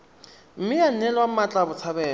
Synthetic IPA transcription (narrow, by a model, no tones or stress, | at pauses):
m̩mɪjan̩nɛlwamat͡ɬʼabʊt͡sʰabɛː